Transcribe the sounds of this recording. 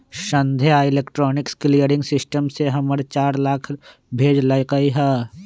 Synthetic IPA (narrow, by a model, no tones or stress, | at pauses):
ʃə̃nd̪ʱeaːɪleːkʈɾɔːnɪksklijəɾɪ̃ŋɡsɪsʈəmseɦɐməɽt͡ʃaːɾlaːkʰ | bʱeːd͡ʒlakaiɦɛː